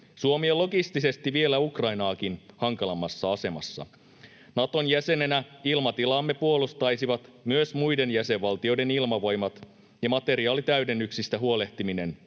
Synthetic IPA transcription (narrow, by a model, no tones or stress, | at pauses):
suomiolːo̞ɡist̪ise̞st̪iʋie̞læukrɑjnɑːkinhɑŋkɑlɑmːɑsːɑɑse̞mɑ̰sːɑ̰ | nɑt̪o̞njæse̞ne̞næilmɑt̪ilɑmːe̞puo̞lust̪ɑjsiʋɑt̪myøsmujde̞njæse̞ʋʋɑlt̪io̞jde̞nilmɑʋo̞jmɑt̪ | jɑmɑt̪e̞ɾiɑːlit̪æyde̞nːyksist̪æɦuole̞ht̪imine̞n